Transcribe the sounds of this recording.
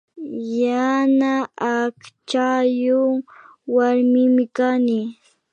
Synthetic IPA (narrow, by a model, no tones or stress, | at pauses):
janaakt͡ʃajʊŋ | waɾmɪmɪkanɪ